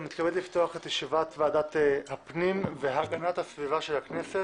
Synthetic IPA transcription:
mit̪kabedlifto̞aχet̪jeʃivat̪vaːdat̪hapnimveɦaɡanat̪hasvivaʃe̞lhaknese

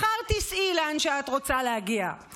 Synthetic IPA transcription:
χaʁt̪isʔilanʃeatʁo̞t͡salehaɡia̰

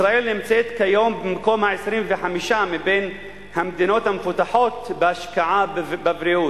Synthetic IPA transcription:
sɾaʔelnimt͡set̪kajombimkomaʕesɾimveħamiʃamiben | hamd̪ino̞t̪hamfut̪aħo̞t̪beaʃkaʕabbavɾiʔu

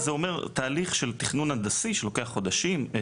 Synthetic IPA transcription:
zeo̞me̞ʁt̪aːliχʃe̞lt̪iχnunhad̪asiʃelo̞ke̞aχo̞d̪aʃim

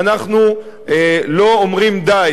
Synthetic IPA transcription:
naχnu | elo̞omʁimd̪aj

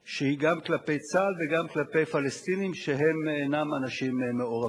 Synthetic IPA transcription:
ʃehiɡamklape̞jt͡salveɡamklape̞jfalest̪inimʃeɦe̞menamanaʃimːeoʁa

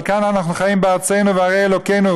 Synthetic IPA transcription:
lkananaχnuχajimbɪaʁt͡seɪnuvɪaʁeɪɛlokeɪnu

